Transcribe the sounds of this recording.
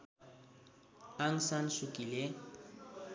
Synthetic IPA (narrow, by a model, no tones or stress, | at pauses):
aŋ̩san̩sukʼilɪ